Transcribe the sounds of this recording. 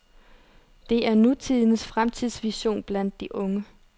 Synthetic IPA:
d̥e̝æɐnut͡sʰið̰ˠnəsfʁamt͡sʰið̰ˠsʋiɕo̝̰ːnb̥læn̰d̥ːiʔɔ̽ŋə

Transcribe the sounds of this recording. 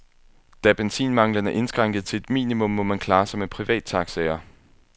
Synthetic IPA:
d̥æb̥ensḭːnmɑ̈ŋlənæɐʔe̝nsɡ̥ʁɑ̈ŋ̰ɡ̥ð̩ˠt͡sʰe̝led̥mḭːnimɔ̽mːɔ̽mænkʰlɑ̈ːsɒme̝̥pʰʁiʋɛ̰ːd̥t͡sʰɑ̈ɡ̥sɛɪɐ

